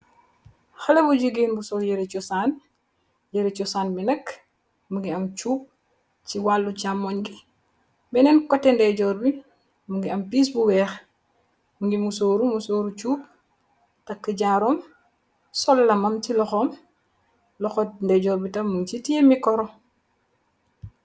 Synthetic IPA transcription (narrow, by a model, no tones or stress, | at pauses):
xɐlɐbuɟuɡeːnbusɔljeɾet͡ʃɔsaːn | jeɾet͡ʃɔsaːnbinɐk | muŋɡiɐmt͡ʃuːp̚ | t͡ʃiwaːlːut͡ʃamːɔɲɡi | bɛnɛnkɔtːendɛɟɔːɾbi | muŋɡiɐmpiːs̬buwɛːx | muŋɡimusoːɾumusoːɾut͡ʃuːp̚ | tɐkːəɟaɾɔːm | sɔlːɐmɐmt͡ʃilɔxɔːm | lɔxɔndɛɟɔːɾbitɐmːuŋt͡ʃitiemikɔɾɔ